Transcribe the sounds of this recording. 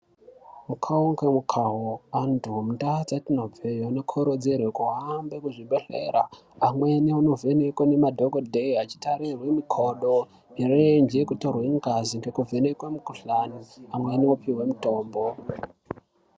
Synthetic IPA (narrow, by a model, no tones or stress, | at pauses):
mukʰaoŋkwemukʰaɦoantuɦomutat͡satinob͡vejonokʰoɾod͡zerwekuɦambekuʐiɓeɬeɾa | amwe̞niuno̞ve̞nekwene̞madʱoɡodʱeiat͡ʃi̥taɾirwemikʰoɗo | erend͡ʒekutorweŋɡaziŋɡe̞kuve̞nekwemukuɬaniamwe̞niopiwe̞muto̞ːmbo